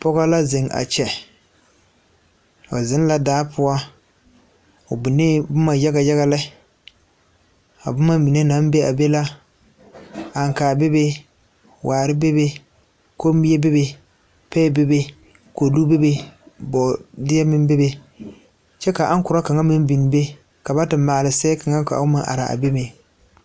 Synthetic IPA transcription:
pɔ˦ɡa˦la˦zɪ˨ŋa̰˨t͡ʃɛ˨ | ɔ̰˨zɪ˨˦n˦la˦daː˨˦pʰʊ˦a˦ | ʊ˨bʊ˨neː˦bʊ˦ma˨ja˦ɡa˨ja˦ɣa˦lɪ˦ | a̰˨bʊ˦ma˦mi˨ne˦nã˨˦m˦be˦a̰˨be˦la˦ | a˨ŋ˨kaː˨be˦be˦ | wʔaː˨ɾɪ˦be˦be˦ | ko˦m˦bi˦je˦be˦be˦ | pɛː˦˨be˦be˦ | ko˨du˦be˦be˦bɔ˨dɪ˦ɛ˦mɪ̃˦m˦be˦be˦ | t͡ʃɛ˦ka˨ʔa˦ŋkʊ˨ɾa˦ka˨ŋa˦mɪ̃˦m˦bi˨n˨be˦ | ka˨ba˦tɪ˨˦mːaː˨lɪ˨sɛ˦ka˨ŋa˦ka̰˨ʊ˦mã̰˨˦ʔa̰˨ɾa̰˨a̰˨be˦me˨

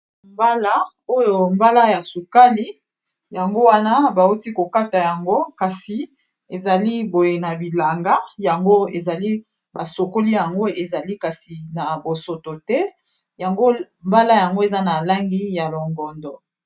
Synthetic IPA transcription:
mba˦la˦ | o˦jo˨mba˦la˦ja˨su˨ka˦li˦ | ja˨ŋɡo˦wa˦na˦ba˨u˦ti˦ko˨ka˦ta˨ja˨ŋɡo˦ka˨si˨ | e˨za˨li˦bo˨je˨na˨bi˨la˨ŋɡa˦ja˨ŋɡo˦e˨za˨li˦ | ba˨so˨ko˦li˦ja˨ŋɡo˦e˨za˨li˦ka˨si˨na˨bo˨so˨to˨tɛ˦ | ja˨ŋɡo˦ | mba˦la˦ja˨ŋɡo˦e˨za˦na˨la˦ŋɡi˦ja˨lo˨ŋɡɔ˨ndɔ˨

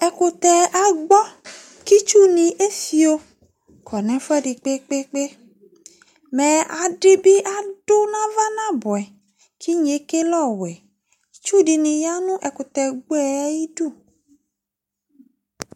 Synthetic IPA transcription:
ɛ˨ko˨t̪ɛ˨ʔa˨ɡ͡bɔ˦ | ki˦t͡ʃu˦nĩ˨ʔe˦si˨o˦ | kʰɔ˨nɛ̃˨fɛ˦ɖi˨k͡pe˦k͡pe˦k͡pe˦ | mɛ̃˨a˨ɖɪ˦bi˦ʔa˨ɖo˦nã˦va˦nã˦bɔ˨ɛ˨ | ki˦ɲe˨˦ke˦lɔ˦˨wɛ˨ | t͡ʃu˦ɖi˨nĩ˨ja˦nũ˦ʔɛ˨ko˨t̪ɛ˨ɡ͡bɛ˦ɛ˦ji˦ɖu˦˨

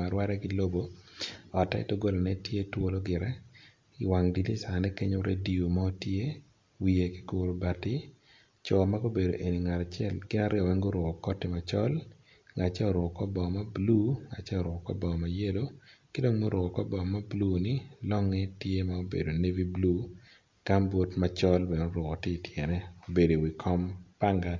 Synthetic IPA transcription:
a˨ɾwa˦ɾɛ˦ɡɪ˦lo˦bo˦ɔ˨ta̰˦ɪ̰˦to˦ɡo˦la˨nɛ˦tje˦two˦lo˦ɡɪ˨ɾɛ˦ | ɪ˨wa˨ŋdi˨li˦sa˨nɛ˦ke˦ɲo˦ɾḛ˦di˨o˨ma˦o˦tje˦ | wi˨e˨kɪ̥˦ɡo˨ɾo˨ba˨tɪ˦ | t͡ʃɔ˨ma˦ɡo˦be˨do˨ʔe˨ni˨ŋa˨ɾa˨t͡ʃjɛ˦lɡɪ˦na˦ɾɪ˦ɔ˨wɛ˦ŋɡo˦ɾɔ˨kɔ˨kɔ˦tɪ˨ma˨t͡ʃɔ˦l | ŋa˨t͡ʃɛ˦ɔ˨ɾʊ˨kɔ˨kɔ˦bɔ˨ma˦blu˦ŋa˨t͡ʃɛ˦ɔ˨ɾʊ˨kɔ˨kɔ̰˦bɔ˨ma˨je˦do˦kɪ˦do˦ŋmo˦ɾʊ˨kɔ˨kɔ˦bɔ˨ma˦blu˦nɪ˦lɔ˦ŋɛ˦tje˦mao˦bḛ˨do˨ne˦vi˦blu˦ | ka˦mbo˦tmat͡ʃɔ˦lbe˨no˦ɾʊ˨kɔ˨tɪ˦tjɛ˨nɛ˦o˨be˨do˨wi˨kʰɔ˦mpa˦ŋɡa˨t

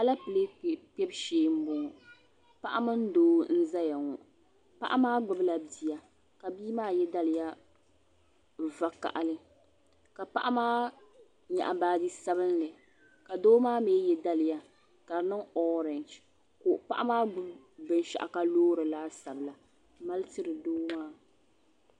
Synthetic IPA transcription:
a˨la˦pɨ˨le˦k͡pɛ˦bʃeː˦m̩˦bʊ˨ŋ˨ | pa˦ʔa˦mɨ˦n̩˦doː˦n̩˦za˦ja˨ŋɔ˨ | pa̰˦ʔa̰˦maː˦ɡ͡bʊ˨bla˨bi˨ja˨ | ka˨biː˦maː˦jɛ˦da˦lɪ˨ja˦ | va˦ka̰˨ʔa̰˨lɨ˦ | ka˨pa˦ʔa˦maː˦ | ɲa̰˨ʔa˨baː˦di˦sa˦βɨ˦nlɨ˨ | ka˨doː˦maː˦meː˦jɛ˦da˦lɪ˨ja˦ | ka˨nɨ˦ŋɔ˦ɾɛ˨nd͡ʒ | ko˨ʔpa˦ʔa˦maː˦ɡ͡bʊ˦b | bɨ˨n˦ʃa̰˨ʔa̰˨ka˦loː˦ɾɨ˨laː˦sa˨bɨ˨la˨ | ma˦lɨ˦tɨ˦ɾɨ˨doː˦maː˦

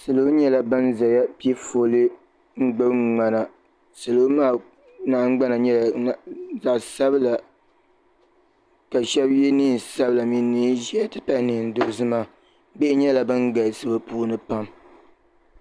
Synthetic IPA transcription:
sɨ˨lo˦ɲɛ˦la˦bɨ˦nza˨ja˦pi˦i˦fo˨lɨ˦ | ŋ͡m̩˦ɡ͡bɨ˦ŋ͡ma˨na˨ | sɨ˨lo˦maː˦˨ | na˦ʔŋ͡mɡ͡ba˦na˨ɲɛ˦˨ | za˨ʔsa˦bɨ˦la˨ | ka˨ʃɛ˦bjɛ˦niː˦˨n˨sa˦bɨ˨la˨mi˦nːi˦ʒi˦a˦tɨ˦pa˦nɨ˨n̩˨˦do˦zɨ˦ma˦ | bɛ˦ɪ˦ɲɛ˦la˨bɨ˦nɡa˨sɨ˦ba˦puː˦nɨ˦pa˦m

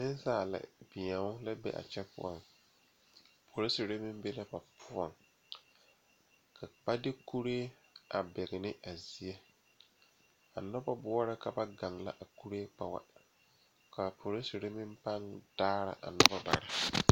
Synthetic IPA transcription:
nɪ˦n˦saː˦˨la̰˨bɪ˨a˨ŋʊ˦la˦bɛ̰˦ʔa̰˨t͡ʃɛ˦pʊ̰˦˨ɔ̰˨ŋ | pʰo˨ɾe˦si˨ɾa˦mɪ˦m˦be˦la˦ba˨pʰʊ˦ɔ̰˨ŋ | kʰa˨ba˦dɪ˦ku˦ɾeː˦ | ʔa˨bɛ˨ɣɪ˨nɪ˦a˨zi˨˦e˦ | a̰˨nɔ˦ba˦bʊ˦ɔ˦ɾa˦ka˨ba˦ɡa˨ŋla̰˦ʔa˨ku˦ɾeː˦k͡pa˨wa̰˦ | ka˨pʰo˨ɾɪ˦si˨ɾa˦mɪ̃˦mpa˦ŋd̥aː˦ɾa̰˨ʔa̰˨nɔ˦ba˦ba̰˨ɾɪ˦

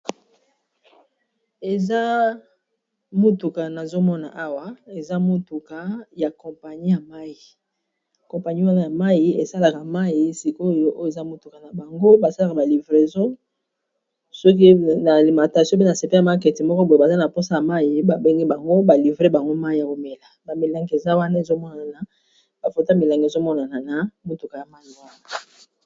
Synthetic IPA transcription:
e˨za˦ | mu˦tu˨ka˨na˨zo˦mɔ˦na̰˨ʔa˦wa˦e˨za˦mo˦tu˨ka˨ja˨kɔ̃˨pa˨ɲi˦ja˨ma˦ji˨ | kɔ̃˨pa˨ɲi˦wa˦na˦ja˨ma˦ji˨ḛ˨sa˦la˨ka˨ma˦ji˨˦si˨ko˦jo˨˦ʔo˦je˨za˦mu˦tu˨ka˨na˨ba˨ŋɡo˦ba˨sa˦la˨ka˨ba˨li˨vʁe˨zɔ̃˦ | sɔ˦k̬i˦na˨li˨mã˨ta˨sjpe˦na˨se˨pe˦a˨ma˦ke˨ti˨mɔ˦kɔ˦bo˨e˨ba˨za˦na˨po˦sa˦ja˨ma˦ji˨ba˨be˦ŋɡi˦ba˨ŋɡo˦ba˨li˨vʁe˦ba˨ŋɡo˦ma˦i˦ja˨ko˦me˨la˨ba˨mi˨la˨ŋɡe˨za˦wa˦na˦e˨zo˦mɔ˦na˨a˨na˨ | b̥a˨fo˨to˦a˦mi˨la˨ŋɡe˨zo˦mɔ˦na˨na˨na˨˦mo˦tu˨ka˨ja˨ma˦ji˨wa˦na˨

